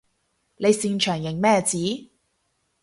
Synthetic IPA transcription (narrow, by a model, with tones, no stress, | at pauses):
le˨˧jsiː˧ŋt͡ʃʰœː˨˩ŋjɪ˨˩ŋmɛː˥˧t͡siː˨˥